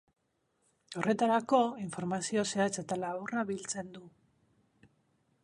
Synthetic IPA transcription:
o̞re̞t̪aɾako̞iɱfo̞ɾmasio̞se̞at͡se̞t̪alaβuraβilt͡se̞nd̪u

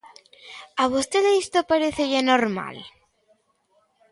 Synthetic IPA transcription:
aβust̪eðeist̪opaɾeθeʝanoɾma̰l

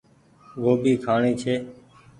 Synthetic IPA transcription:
ɡoːbiːkʰaːɳiːt͡ʃʰeː

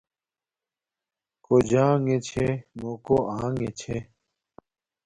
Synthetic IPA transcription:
kod͡ʑãːŋet͡ɕʰemoːkoãːŋet͡ɕʰe

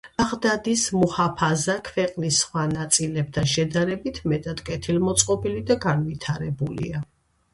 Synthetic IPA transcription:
aʁd̪ad̪ismuhapʰazakʰvɛqʼnisːχwanat̪sʼilɛb̚t̪ʰanʃɛd̪aɾɛbit̪ʰmɛt̪ʼad̪̥kʼɛt̪ʰilmɔt̪sʼqʼɔpilid̪aɡanvit̪ʰaɾɛbulḭa

